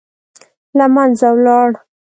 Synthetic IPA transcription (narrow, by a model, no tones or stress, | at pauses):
lamanzawlɑɽ